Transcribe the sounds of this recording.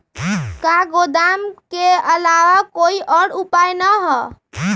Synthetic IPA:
kaɡod̪amkeəlaʋakoiʔəɽupajnəɦɔ

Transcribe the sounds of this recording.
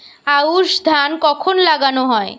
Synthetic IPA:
auʃd̪ʱankɔkʰonlaɡanoɦɔe

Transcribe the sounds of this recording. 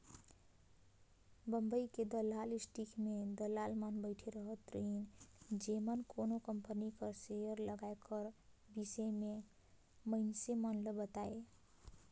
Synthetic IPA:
bəmbəiked̪əlalisʈikʰmed̪əlalmanbəɪʈʰeɾəɦət̪ɾind͡ʒemənkonokəmpənikəɾsejəɾləɡaekəɾbisəme | məɪnsemənləbət̪ae

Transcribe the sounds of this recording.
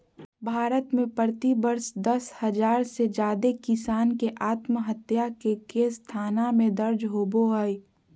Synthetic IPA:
bʱaːɾət̪mẽpəɾt̪ibəɾsd̪ɐshɐd͡ʒaːɾsed͡ʒaːd̪ekɪsaːnkeʔaːt̪məɦət̪jakekest̪ʰaːnamẽd̪ɐɾd͡ʒɦoːboəi

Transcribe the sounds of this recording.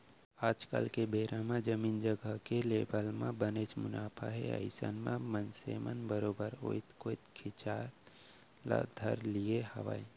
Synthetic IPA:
aːd͡ʒkə̰lkebeɾamẽd͡ʒəmiːnd͡ʒəɡəkelebəlmẽbənet͡ʃmʊnaːpʰa̰ɦeə̰ɪsə̰nmẽmənsḛmənbəɾobəɾo̰it̪koit̪kʰit͡ʃa | la̰d̪ʱəɾlijehə̰ʋa̰i

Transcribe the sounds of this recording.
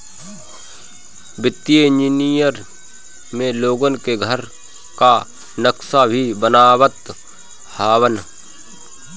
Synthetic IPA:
bɪt̪ːied͡ʒinijəɾ | mẽloːɡonkeɡʱəɾ | ka | nəksabʱibənaːwət̪ | haːwən

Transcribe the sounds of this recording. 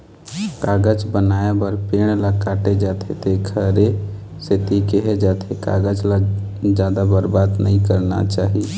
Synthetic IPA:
kaːɡəd͡ʒbənaːjabəɾpeːɽ̃lakaːʈed͡ʒaːt̪ʰet̪ekʰəɾe | set̪ikeɦed͡ʒaːt̪ʰeka̰ːɡəd͡ʒlad͡ʒaːd̪abəɾbaːd̪nə̰ɦĩkəɾna̰t͡ʃaːɦi

